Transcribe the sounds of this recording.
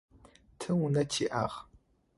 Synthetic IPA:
tʰɨwunɐtʰiːʔa̰ʁ

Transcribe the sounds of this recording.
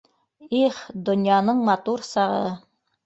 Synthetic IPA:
iχd̪ŏnjɑnɤɴmɑt̪uɾsɑʁɤ̰

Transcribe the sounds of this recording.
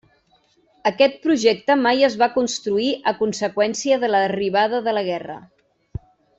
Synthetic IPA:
əkɛt̪̚pɾuʒɛk̚t̪əmajəzβakunst̪ɾuiʔəkunsəkwɛnsiəðələriβ̞aðəðələɣ̞ɛrə̰

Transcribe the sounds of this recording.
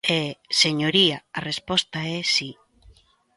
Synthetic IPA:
eseɲoɾiaarespɔst̪aɛsi

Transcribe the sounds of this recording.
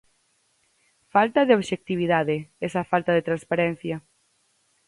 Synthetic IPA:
falt̪aðeoβʃek̚t̪iβ̞iðaðeɛsafalt̪aðet̪ɾanspaɾɛn̟θja

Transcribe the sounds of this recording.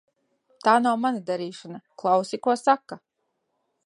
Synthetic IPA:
t̪aːnawmanad̪aɾiːʃanaklˠawsikuɔsakːa

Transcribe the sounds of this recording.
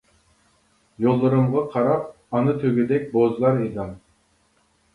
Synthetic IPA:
jolˠːuɾɯmʁɑqʰɑɾɑp̚ | ɑnɯt̪ʰøɡʲød̪ek̚ʲbozlˠɑɾɯjd̪ɑm

